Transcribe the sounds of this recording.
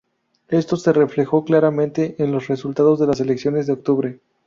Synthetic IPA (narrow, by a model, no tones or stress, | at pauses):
e̞st̪o̞se̞re̞fle̞xo̞klaɾamẽnt̪e̞ʔenlo̞sre̞sult̪að̞o̞zðe̞las̬e̞le̞ksjo̞ne̞zðeok̚t̪uβɾe̞